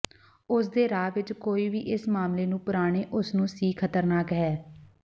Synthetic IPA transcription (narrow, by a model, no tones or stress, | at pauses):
ʊsd̪eːɾaːʋɪt͡ʃkoːiːʋiːʔɪsmaːmleːnũːpʊɾaːɽ̃eːʔʊsnũːsiːkʰət̪əɾnaːkɦɛː